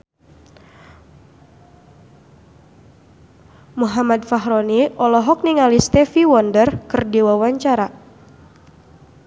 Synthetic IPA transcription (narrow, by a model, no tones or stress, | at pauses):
muɦamad̪faɦɾɔniʔɔlɔɦɔk̚niŋalist̪ɛfiwɔndərkɨrdiwawaɲt͡ʃaɾa